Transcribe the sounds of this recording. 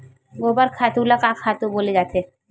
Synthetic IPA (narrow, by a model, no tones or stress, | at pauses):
ɡoːbəɾkʰaːt̪ulakakʰaːt̪ũboːled͡ʒaːt̪eː